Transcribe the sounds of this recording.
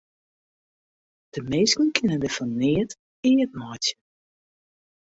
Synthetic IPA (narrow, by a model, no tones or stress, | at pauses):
d̥əmeːskənkʰɪnəndəfɔnːɪət | ɪːət̚mɔjtjə